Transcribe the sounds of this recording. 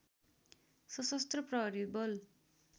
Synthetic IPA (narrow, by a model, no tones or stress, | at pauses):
sʌsʌst̪rʌprʌɦɾibʌl